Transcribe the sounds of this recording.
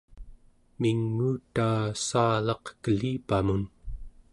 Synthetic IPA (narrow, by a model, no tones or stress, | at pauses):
miŋːuːt̪aːsaːlɑqkəliːpamun